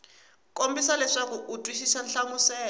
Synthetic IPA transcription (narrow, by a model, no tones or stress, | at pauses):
kombisalɛʂakuʔutʼwisisanɬamusɛː